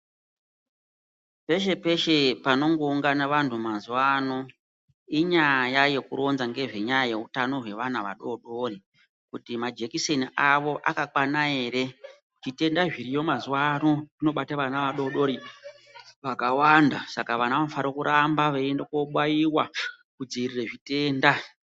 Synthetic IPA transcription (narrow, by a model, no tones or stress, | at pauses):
pe̞ʃe̞pe̞ʃe̞pano̞ŋɡo̞uŋɡanaʋantʰumazuwano̞ | iɲajaje̞kuɾo̞nzaŋɡe̞ʐe̞ɲajajeutano̞ɦwe̞ʋanaʋa̰ɗo̞ɗo̞ri | kutimad͡ʒe̞kiseniʔaʋo̞ʔakakwanae̞ːɾe̞ | ʐite̞ndaʐiɾijo̞mazwano̞rino̞ɓataʋanaʋaɗo̞ɗo̞ɾi | ʋakawandasakaʋanaʋanfaɾokuɾʔambaʋeendekoɓwajiwa | kud͡ziirireʐite̞ːnda